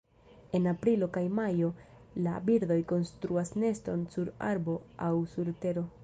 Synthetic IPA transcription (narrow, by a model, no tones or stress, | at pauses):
e̞napɾilo̞kajmajo̞ | labiɾd̪o̞jko̞nstɾuasne̞stɾo̞nsuɾa̰ɾbo̞awsuɾte̞ɾo̞